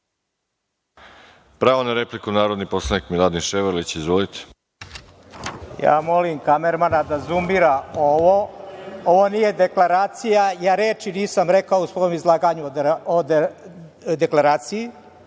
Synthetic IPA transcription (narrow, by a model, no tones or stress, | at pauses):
pɾaːʋonaɾeplikunaːɾo̞d̪niposlˠanikmilˠad̪inʃeʋeɾlit͡ɕizʋolit̪ʰe̥ | ja̰ːmo̞limkameɾmanad̪azumiɾaoʋooʋonije̞d̪e̞klaɾaːt̪sijajaːɾeːt͡ʃiniːsamɾekaousʋo̞jomizlˠaːɡaɲuod̪ | d̪eklaɾaːt̪siji